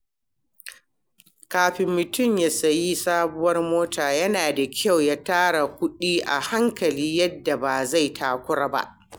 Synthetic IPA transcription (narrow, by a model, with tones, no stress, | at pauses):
kaː˨ɸɪ˨mːʊ˨tʊ˦˨mjaː˦sɐ˨ji˦saː˦bʊ˦wɐ˦rmoː˦tʰaː˨jɐ˦naː˨da˨kʲʰa˦˨wjaː˦taː˦ɽa˨kʷʊ˦ɗiː˦ʔa̰˨ha˦ŋkɐ˨liː˦jɐ˦dːa˨ba˨za˦˨jtʰaː˨kʷʊ˦ɽa˦ba̰˦ʔ